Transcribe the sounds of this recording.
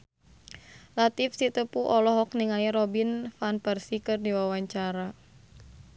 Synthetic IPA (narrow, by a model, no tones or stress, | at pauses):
lat̪ifsit̪əpuʔɔlɔɦɔkniŋaiɾɔbinfanpərsikɨrdiwawaɲt͡ʃaɾa